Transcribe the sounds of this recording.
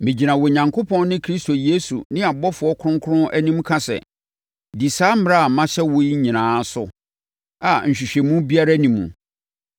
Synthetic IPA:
mĩ˨d͡ʑi˨nã˨wɔ˨ɲã˨ŋkʰo˦pʰɔ̃˦nnɪ̃˦kʰɾi˦sto˨je˦sṵ˨nɪ̃˦a˨bɔ˦fʊ˨˦ɔ˦kʰʊ̃˦ŋkʰʊ˦ɾʊ̃˦nʔæ˦nĩ˦m˦kʰã˦sɛ̰˨ | di˨saː˦m˦ɾa˦a˨mã˦ɕɛ˦wʊ˦i˦ɲĩ˨nãː˨˦sʊ˦ | a˨ɲ̩˨ɕᶣi˨ɕᶣɛ˨mũ˦bi˦a˦ɾa˦nĩ˨mṵ̃˨

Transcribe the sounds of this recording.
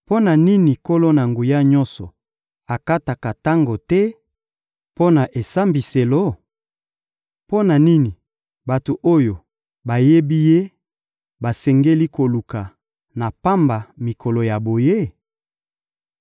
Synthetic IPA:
po˦na˨ni˦ni˨ko˦lo˦na˨ŋɡu˨ja˦ɲɔ̃˦nsɔ˨ | a˨ka˦ta˨ka˨ta˦ŋɡo˨tɛ˦ | po˦na˨ʔe˨sa˦mbi˨se˨lo˦ | po˦na˨ni˦ni˨ | ba˨to˨ʔo˦jo˨ | ba˨je˦bi˦je˦ | ba˨sɛ˨ŋɡe˦li˦ko˨lu˨ka˨ | na˨pa˦mba˨mi˨kʰɔ˨lo˨ja˨bo˨je˦

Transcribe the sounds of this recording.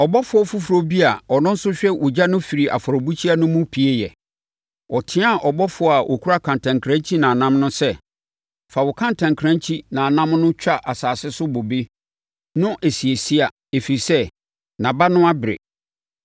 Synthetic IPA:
ɔ˨bɔ˦fʊ˦ɔ˦fu˦fu˨ɾo˦bi˦a˨ɔ˨nʊ̃˦n̩˦sʊ˦ɕᶣɛ˦wʔʊ˨d͡ʑa˦nʊ̃˦fi˨ɾi˨ʔa̰˨fɔ˨ɾɔ˨bu˦t͡ɕʰi˦a˦nʊ̃˦mũ˦pʰi˨˦e˦jɛ˨ | ɔ˨tʰɪ̃˦a˦˨ʔɔ˨bɔ˦fʊ˨ɔ˨˦a˨ʔɔ˨kʰu˦ɾa˦kʰã˨ntʰã˨ŋkʰɾã˦t͡ɕʰi˦nã˨nã˦mnʊ̃˦sɛ˦ | fa˨wʊ˨kʰã˦n˨tʰã˨ŋkʰɾã˦t͡ɕʰi˦nã˨a˨nã˦mnʊ̃˦t͡ɕᶣa˦ʔa˨saː˨sɪ˦sʊ˦bo˨be˦ | nʊ̃˦ʔe˨si˨e˨si˦a˨ | e˨fi˨i˨sɛ˦ | nã˨ba˦nʊ̃˦a˦bɪ˨ɾɪ̰˨

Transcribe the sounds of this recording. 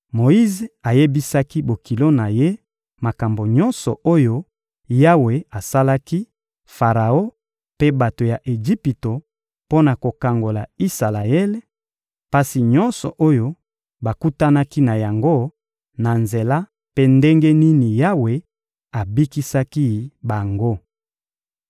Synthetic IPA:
mo˨i˦ze˨a˨je˦bi˦sa˦ki˦bo˨ki˨lo˦na˨je˦ | ma˨ka˨mbo˨ɲɔ˦nsɔ˨o˦jo˦ | ja˦we˨a˨sa˦la˦ki˦ | fa˨ʁa˨o˦ | pe˦ba˨to˨ja˨ʔe˨d͡ʒi˦pi˨to˨ | po˦na˨ko˨ka˨ŋɡo˨la̰˨i˦sa˨la˨ɛ˦le˦ | pa˦si˨ɲɔ˦nsɔ̰˨ʔo˦jo˦ | ba˨ku˦ta˦na˦ki˦na˨ja˨ŋɡo˦ | na˨nze˨la˦ | pe˦nde˦ŋɡe˦ni˦ni˨ja˦we˨ | a˨bi˦ki˦sa˦ki˦ba˨ŋɡo˦

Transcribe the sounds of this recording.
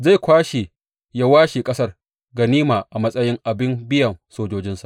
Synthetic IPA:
za˦˨jkʷaː˦ʃe˨ | ja˦waː˦ʃe˨kʼɐ˦sɐ˦r | ɡa˨niː˦maː˨ʔa˨mɐ˦sʼɐ˦jɪ˦ŋʔa˨bɪ˦mbɪ˦jɐ˨ŋsoː˦d͡ʒoː˦d͡ʒɪ˦nsa˨ʔ

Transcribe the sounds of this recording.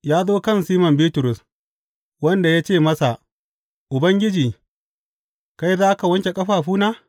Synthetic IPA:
jaː˦zoː˦kɐ˦˨nsiː˦mɐ˨mbiː˦tʊ˨ɾʊ˨s | wɐ˦nda˨ja˦t͡ʃeː˦˨mɐ˦sa˨ʔ | ʔʊ˨bɐ˦ŋɡʲɪ˦d͡ʒiː˨ | ka˦jzaː˦ka˨wɐ˦nt͡ʃʲe˨kʼɐ˦ɸaː˨ɸuː˦na˦

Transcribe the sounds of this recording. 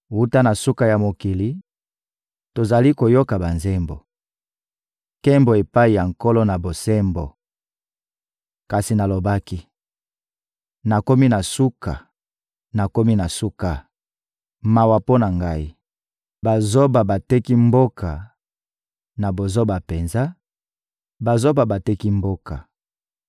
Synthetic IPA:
wu˦ta˦na˨su˦ka˨ja˨mo˨ki˨li˦ | to˨za˨li˦ko˨jo˦ka˨ba˨nzɛ˦mbo̰˨ | kɛ˦mbo˨e˨pa˦i˨ja˨ŋ˨ko˦lo˦na˨bo˨sɛ˦mbo̰˨ | ka˨si˨na˨lo˨ba˦ki˦ | na˨ko˦mi˦na˨su˦ka̰˨ | na˨ko˦mi˦na˨su˦ka˨ | ma˨wa˨po˦na˨ŋɡa˦i˦ | ba˨zo˦ba˨ba˨tɛ˦ki˦mbo˦ka˨ | na˨bo˨zo˦ba˨pe˨nza˦ | ba˨zo˦ba˨ba˨tɛ˦ki˦mbo˦ka˨

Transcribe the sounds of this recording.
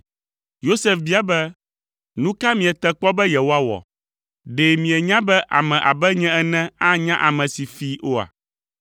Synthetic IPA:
jo˦sɛ˦fbi˦a˨bɛ˦ | nũ˦ka˦mĩ˨ɛ˨t̪ɛ˦k͡pɔ˦bɛ˦jɛ˨wo˦a˦wɔ̰˨ | ɖe˨mĩ˨ɛ˨ɲã˦bɛ˦ʔa̰˨mɛ̃˨ʔa˨bɛ˦ɲɛ̃˦ɛ˦nɛ̃˦a˦ɲã˦ʔa˨mɛ̃˨si˨fi˦ʔo˦a̰˨

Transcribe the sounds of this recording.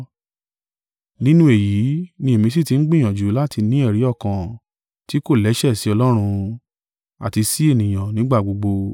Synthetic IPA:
nĩ˦nũ˦e˨ji˨˦nĩ˧e˨mĩ˧s̬i˦˨ti˨˧n̩˦ɡ͡bĩ˦˨j̃ã˨d͡ʒu˨˦la˦ti˧nĩ˦ɛ˦˨ɾi˨˦ɔ˦˨kã˨ | ti˦ko˦˨lɛ˨˦ʃɛ˦˨si˨˦ɔ˧lɔ˦ɾ̃ũ˧ | a̰˨ti˧si˦e˦˨nĩ˨j̃ã˨nĩ˨˦ɡ͡ba˦˨ɡ͡bo˧ɡ͡bo˧

